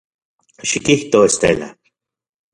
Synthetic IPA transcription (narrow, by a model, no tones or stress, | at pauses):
ʃikiht̪oest̪ḛla̰